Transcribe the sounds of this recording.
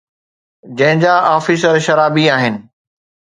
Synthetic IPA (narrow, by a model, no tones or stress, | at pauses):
d͡ʑɐ̃ɦɪ̃d͡ʑaaːfɪsɐɾʃɐɾaːbiaːɦɪnɪ̆